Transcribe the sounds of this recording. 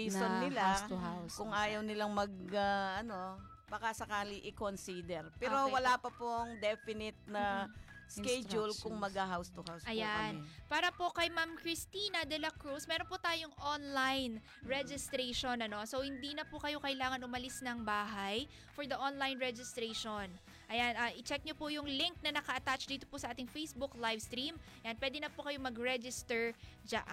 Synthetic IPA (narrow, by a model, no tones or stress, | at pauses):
isonːɪlaawkʊŋʔaːjɐwnɪlaŋmɐɡ̚ɐʔɐno̞ | bɐkasɐkaːliʔɪkonsiːd̪ɛɾpɛːɾowɐlaːpɐpoŋd̪ɛfɪnɪt̪̚nɐ | skɛd͡ʒʊlkʊŋmɐɡhaɦawst̪ʊhawsɐjanpaːɾɐpo̞kɐjmamkɹɪst̪iːnɐd̪ɛlɐkɹusmɛːɾo̞npʊt̪aːjoŋʔonlajn | ɹɛd͡ʒɪst̪ɾejʃonɐno̞so̞whɪnd̪inɐpʊkɐjo̞kɐʔɪlaːŋɐnʔʊmɐlɪsnɐŋbaːɦɐj | fɔɹd̪ɐʔonlajnɹɛd͡ʒɪst̪ɾejʃon | ʔɐjanʔaːʔɪt͡ʃɛk̚ɲopʊjʊŋlɪŋk̚nɐnɐkɐʔɐt̪at͡ʃd̪iːt̪opʊsɐʔaːt̪ɪŋfejsbʊklajvst̪ɾim | janpwɛːd̪ɛnɐpʊkɐjomɐɡɹɛd͡ʒɪst̪ɛɹd͡ʒa̰ʔ